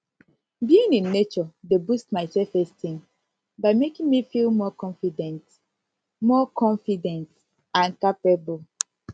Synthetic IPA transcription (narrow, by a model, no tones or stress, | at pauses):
biĩnĩnːet͡ʃɔdebustmaɪsɛlfɛstĩŋ | baɪmekĩŋmifilˠmɔkɔ̃nfidɛ̃nt | mɔkɔ̃nfidɛ̃nt | ãnkapɛbul